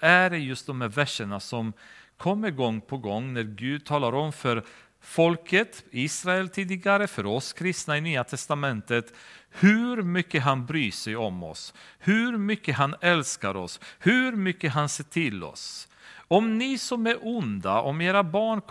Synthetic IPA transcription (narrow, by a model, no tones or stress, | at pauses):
æɖɛjɵst̪̚d̪ɔmhæɾvæʂːəɳasɔmkʰɔmːəɪɡɔŋːpʰɔɡɔŋːnæɾɡʉ̟ːd̪̚t̪ʰɑːlaɾɔmfœɾ | fɔlkʰət̪iːsɾaɛlt̪ʰiːd̪ɪɡaɾəfœɾɔskʰɾɪst̪naɪnyːat̪ʰɛst̪amɛnt̪ət̪hʉɾmʏkːəɦanbɾyːʂɛjɔmɔ̰shʉɾmʏkːəhanɛlskaɾɔshʉɾmʏkːəɦanseːʈʰɪlːɔ̰s | ɔmnɪsɔmæɾʔʊnd̪aʔɔmeːɾabɑːɳ